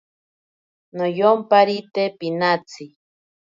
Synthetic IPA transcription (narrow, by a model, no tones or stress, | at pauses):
nojompaɾit̪epinat͡si